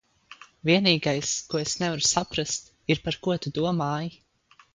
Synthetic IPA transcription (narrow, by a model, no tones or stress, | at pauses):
viɛniːɡajskuɔesnɛvaɾu̥sapɾast̪ | iɾpaɾkuɔt̪ud̪uɔmaːji